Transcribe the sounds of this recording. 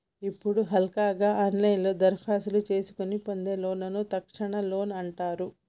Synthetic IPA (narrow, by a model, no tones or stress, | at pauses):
ipːuɽuɦɐlkaːɡaːʔɐnlɐjnlo̞ːd̪ɐɾkʰaːsɐlut͡ʃe̞ːsu̥kunipond̪eːlo̞ːnɐnut̪ɐkʂɐɳɐlo̞ːnɐɳʈaːɾu